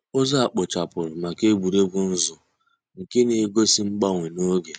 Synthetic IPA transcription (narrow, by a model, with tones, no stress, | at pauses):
o˦za˦a˨k͡pʊ˨t͡ʃa˨pʊ˨ɾɪ˨ma˨ke˦ɡ͡bu˨ɾe˦ɡʊ˦n̩˦zʊ˨ | ŋ̩˨ke˦ne˨˦ɡo˦si˦ŋ͡m̩˦ɡ͡ba˦˨ŋʷe˨no˦ɡe˨